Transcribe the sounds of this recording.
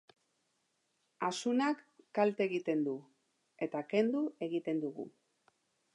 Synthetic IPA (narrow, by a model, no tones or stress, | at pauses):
asunakːalt̪e̞ɣit̪e̞nd̪u | e̞t̪ake̞nd̪ue̞ɣit̪e̞nd̪uɣṵ